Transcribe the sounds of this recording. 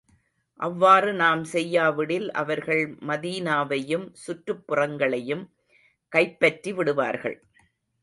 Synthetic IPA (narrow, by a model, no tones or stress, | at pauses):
ʔɐʋːaːrɯnaːmsɛjːaːʋɪɽɪlʔɐ̰ʋɐɾɣɐɭmɐðiːnaːʋɐjɯmsʊʈrɯpːɯrɐŋɡɐɭɐjɯm | kɐɪpːɐʈriʋɪɽɯʋa̰ːɾɣɐ̰ɭ